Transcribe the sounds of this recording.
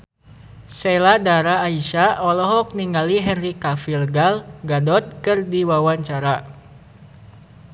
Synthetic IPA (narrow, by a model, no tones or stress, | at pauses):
sɛladaɾaːiʃaʔɔlɔɦɔk̚niŋɡaliɦɛnrikafilɡalɡadɔt̪̚kɨrdiwawaɲt͡ʃaɾa